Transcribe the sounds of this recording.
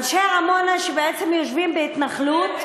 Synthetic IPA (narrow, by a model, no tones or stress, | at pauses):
lʃeaamonaʃebeet͡semjoʃvimbeit̪naχlut̪